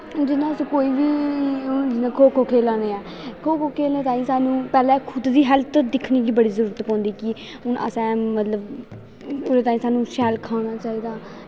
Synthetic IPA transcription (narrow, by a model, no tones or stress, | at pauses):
d͡ʒɪnãːskoːiːʋiː | d͡ʒɪnãːkʰoːkʰoːkʰeːlaːneːɛː | kʰoːkʰoːkʰeːlneːt̪aːĩːsaːnũːpɛːlɛ̃ːkʰʊd̪d̪iːɦɛlt̪d̪ɪkʰniːɡiːbəɽiːzəɾuːɾət̪pɔ̃ːnd̪iːkɪ | ʊnʔə̰sɛ̃ːmət̪ləb | oːɾet̪aːĩːsaːnũːʃɛːlkʰaːnaːt͡ʃaːiːd̪aː